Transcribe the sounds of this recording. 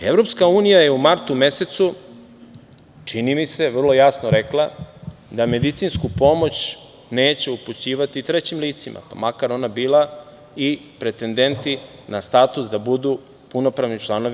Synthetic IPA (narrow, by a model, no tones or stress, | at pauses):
e̞vɾo̞pskauːnijaje̞umaɾt̪ume̞se̞t̪su | t͡ʂinimise̞ʋr̩lˠo̞jasnoɾe̞klˠad̪ame̞d̪it̪sinskupo̞mo̞t͡ɕ | ne̞ːt͡ɕe̞uput͡ɕiːʋat̪it̪ɾet͡ɕimliːt̪simʔa̰pa̰makaɾo̞nabiːlˠa | ipɾe̞t̪e̞nd̪e̞nt̪inast̪aːt̪usd̪abud̪u | puno̞pɾaʋnit͡ʃlˠano̞ʋi